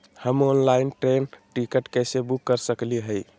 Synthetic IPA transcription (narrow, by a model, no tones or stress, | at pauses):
həmonlainʈɾenʈikəʈkəsebukːəɾsəkliɦəj